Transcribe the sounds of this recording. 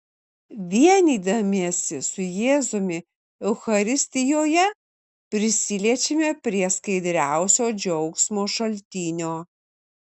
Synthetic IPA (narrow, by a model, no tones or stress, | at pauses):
ʋʲiɛnʲiːd̪ɐmʲiɛsʲɪsʊjeːzʊmʲɪ | ɛʊxɐɾʲɪsʲt̪ʲɪjoːjɛ | pʲɾʲɪsʲɪlʲiɛt͡ʃʲemʲepʲɾʲiɛskɐɪd̪ʲɾʲæˑʊsʲoːd͡ʒʲɔʊksʲmoːʃɐlʲt̪ʲiːnʲoː